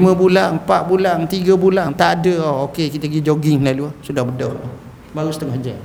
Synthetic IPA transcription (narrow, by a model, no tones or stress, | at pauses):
mə̃bulaŋpaʔbulant̪iɡabulant̪aʔadəookekit̪əɡid͡ʒoɡɪŋlaluasudahbədɔha | baɾust̪əŋahd͡ʒa